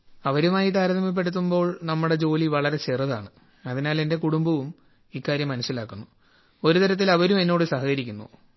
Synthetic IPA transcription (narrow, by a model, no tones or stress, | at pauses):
ɐʋɐɾumaːjit̪aːɾɐðɐmɐp̬ːeɽut̪̬ːumbo̞ːɭnɐmːuɽe̞t͡ɕo̞ːliʋɐɭɐɾe̞t͡ɕerɐðaːɳɨ | ɐðinaːle̞nde̞kuɽumbɐʋum | ikːaːɾjɐmːɐnɐsːilaːkːunːu | o̞ɾut̪ɐɾɐt̪̬ːilɐʋɐɾume̞nːo̞ːɽɨsɐɦɐkɐɾikʲːunːṵ